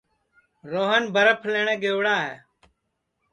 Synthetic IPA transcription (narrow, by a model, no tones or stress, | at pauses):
ɾoːɦənbʱəɾəpʰəleɳẽːɡeːʋɽaːɦɛ̰ː